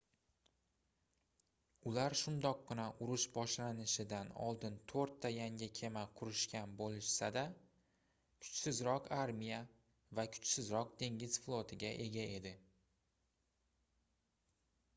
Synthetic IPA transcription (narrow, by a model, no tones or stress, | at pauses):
ʊlaɾʃʊnd̪ɒqːɪnaʔʊɾʊʃbɒʃlanɪʃɪd̪anɒ̰lˠd̪ɪnt̪ʰoɾt̪ʰːajaŋʲɪkʲʰe̞maqʰʊɾɪʃkʲanbolɪʃsad̪a | kʰʊ̥t͡ʃsɪzɾɒqʰaɾmija | vakʰʊ̥t͡ʃsɪzɾɒq̚d̪ʰe̞ŋɡʲɪz̥flˠot̪ʰɪɡʲaʔe̞ɡʲae̞d̪ɪ